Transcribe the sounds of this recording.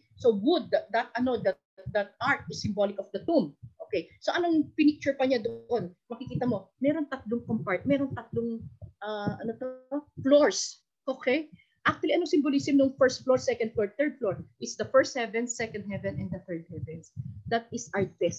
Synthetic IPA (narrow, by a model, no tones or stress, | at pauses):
soɡʊd̪̚d̪ɐt̪̚ʔɐno̞d̪ɐ | d̪ɐt̪̚aɹt̪̚ɪsːɪmbolɪkɔfd̪ɐt̪umʔokejsoʔɐnoŋpɪnik̚t͡ʃʊɹpɐɲad̪oʔo̞nmɐkɪkiːt̪ɐmo̞mɛɾo̞nt̪ɐt̪̚loŋkompaɹt̪̚mɛːɾont̪ɐt̪̚loŋʔɐʔɐnot̪ofloɹs | ʔo̞ːkɛj | ʔak̚t̪ʊɐliʔɐnoŋsɪmbolisɪmnoŋfɛɹst̪̚floɹsɛkɐnd̪̚floɹt̪ɛɹd̪̚floɹʔɪt̪sd̪ɐfɛɹst̪̚hɛvɛ̃nsːɛkɐnd̪̚hɛvɛ̃nɛnd̪ɐt̪ɛɹd̪̚hɛvɛnsd̪at̪̚ɪsʔaɹt̪ɛst̪